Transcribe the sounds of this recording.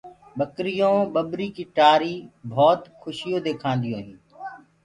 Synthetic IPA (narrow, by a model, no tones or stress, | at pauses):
ɓəkɾɪjõːɓəɓɾiːkiːʈaːɾiːbʱɔːt̪xʰʊʃɪjoːd̪eːkʰãːnd̪ɪjõːɦĩː